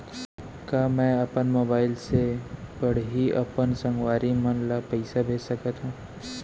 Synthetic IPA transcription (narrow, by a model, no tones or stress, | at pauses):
kaːmɛ̃əpənmoːbaːɪlsebəɽ̤ɦiʔɐ̰pənsə̃ŋɡwaːɾimənlapɛɪsabʱeːd͡ʒsɐkat̪ɦũː